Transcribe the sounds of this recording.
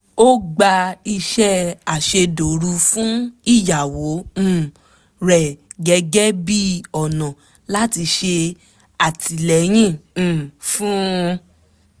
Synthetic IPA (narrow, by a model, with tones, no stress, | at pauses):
o˦ɡ͡ba˧i˧ʃɛ˦a˨ʃe˧do˨ɾu˧fũ˦i˦˨ja˨wõ˨˦˨ | ɾɛ˨ɡɛ˧ɡɛ˦bi˦ɔ˨nɔ̃˨ | la˦ti˧ʃe˧ | a˨ti˨lɛ˨j̃ĩ˦˨˦fũ˦˧